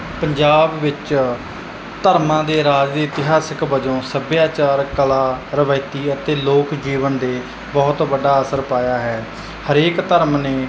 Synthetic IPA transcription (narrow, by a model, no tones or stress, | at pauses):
pəɲd͡ʒaːbʋɪt͡ʃ | t̪əɾmãːd̪eːɾaːd͡ʒd̪eːt̪ɪɦaːsəkbəd͡ʒõːsəbjaːt͡ʃaːɾkəlaːɾəʋaːɪt̪iːət̪eːloːkd͡ʒiːʋənd̪eː | bɔːt̪bəɖaːəsəɾpaːjaːɦɛː | həɾeːkt̪əɾmneː